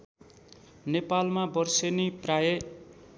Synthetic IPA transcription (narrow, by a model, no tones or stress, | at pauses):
nepalmabʌrsenipraje